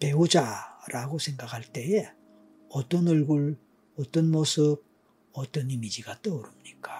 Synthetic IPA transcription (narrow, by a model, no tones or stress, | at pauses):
pe̞ud͡ʑaɾʔaɡosʰe̞ŋɡakʰaɭt͈e̞e | ʌt͈ʌnɯɭɡuɭ | ʌt͈ʌnmosʰɯb̚ | ʌt͈ʌnimid͡ʑiɡat͈oːɾɯmɲik͈a